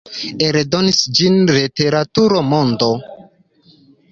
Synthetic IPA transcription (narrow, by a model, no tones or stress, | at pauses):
eɾdo̞nisd͡ʒinlete̞ɾatuɾomondo